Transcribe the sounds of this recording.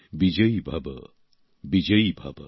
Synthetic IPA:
bid͡ʒəibʱɐb̰ | bid͡ʒəjibʱɐ̰b

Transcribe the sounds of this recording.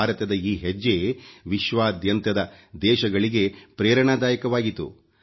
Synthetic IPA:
aːɾɐt̪ɐd̪ɐiːɦed͡ʒːeʋiʃʋaːd̪ʱjɐnt̪ɐd̪ɐd̪ɛːʃɐɡɐɭiɡe̞pɾɛːɾɐɳaːd̪aːjɐkɐʋaːɡit̪ːṵ

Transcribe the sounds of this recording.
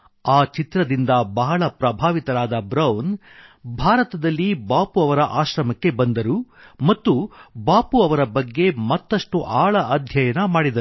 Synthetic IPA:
aːt͡ʃit̪ɾɐd̪ind̪ɐbɐɦɐɭɐpɾɐbʱaːʋit̪ɐɾaːd̪ɐbɾɐwn | bʱaːɾɐt̪ɐd̪ɐlːibaːpuɐʋɐɾɐʔaːʃɾɐmɐkːe̞bɐnd̪ɐɾumɐt̪ːubaːpuɐʋɐɾɐbɐɡːe̞mɐt̪ːɐʂʈuʔaːɭɐʔɐd̪ʱjɐjɐnɐmaːɽid̪ɐɾu

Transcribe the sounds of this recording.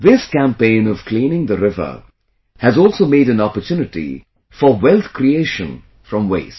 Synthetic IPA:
ðɪskæ̃mpẽɪ̃nʌv̥klĩːnɪ̃ŋd̪əɾɪvə̰˞ | hɨzɔːlˠsoːmeːɾɨ̃nɔpətʰjunɪʈḭ | fəwɛlt̪kɾieɪʃə̃n | fɾʌ̃mweɪs

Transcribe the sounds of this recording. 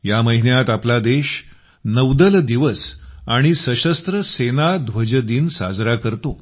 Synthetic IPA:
jaməɦinjat̪aplad̪eɕ | nəwd̪əld̪iʋəsaɽ̃isəɕəst̪ɾəsenad̪ʱʋəd͡ʑəd̪iːnsa̰d͡zɾakəɾt̪o

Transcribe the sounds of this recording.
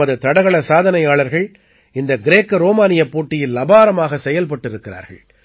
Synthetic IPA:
ɐðɯt̪ɐɽɐɣɐɭɐsaːðɐnɐjaːɭɐɾɣɐɭ | ɪnd̪ɐɡɪɾeːkːɯɾoːmaːnɪjɐpːoːʈːɪjɪlːɐbaːɾɐmaːɣɐsɛjɐlpɐʈːɪɾɯkːɪra̰ːɾɣɐ̰ɭ

